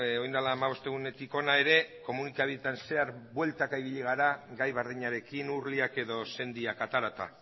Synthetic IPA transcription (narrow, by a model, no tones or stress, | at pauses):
ojnd̪alaːmaβo̞st̪e̞ɣune̞t̪iko̞nae̞ɾe̞ko̞munikaβiet̪anse̞aɾβwe̞lt̪akaiβ̞iʎiɣ̞aɾaɡajβaɾðiɲaɾe̞kinuɾliake̞ðo̞se̞nd̪iakat̪aɾat̪a̰